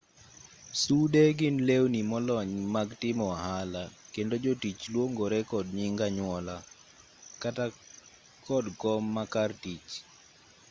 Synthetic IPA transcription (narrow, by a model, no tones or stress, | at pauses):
sudeɡɪnlewnimɔlɔɲmaɡtɪmɔaɦalakendod͡ʒotit͡ʃlwoŋɡoɾɛkɔdɲɪŋɡaɲwɔla | kata | kɔdɡɔmːakartit͡ʃ